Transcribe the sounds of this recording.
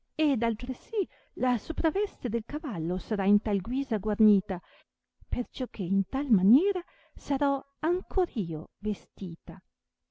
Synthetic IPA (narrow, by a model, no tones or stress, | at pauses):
ed̪alt̪ɾesi | lasopɾavɛst̪ed̪elkavalːosaɾaint̪alɡwiːzaɡwarniːt̪a | pert͡ʃɔk̟ːeint̪almanjɛːɾa | saɾɔ | aŋkʰoɾiːovest̪iːt̪a